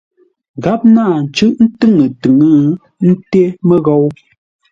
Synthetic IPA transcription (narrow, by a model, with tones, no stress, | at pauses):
ɡa˦p̚naː˦˨n̩˨t͡ʃɨ˦ʔn̩˦tɨ˦ŋə˨tɨ˨ŋɨ˦ | n̩˦te˦mə˦ɣɔ˦w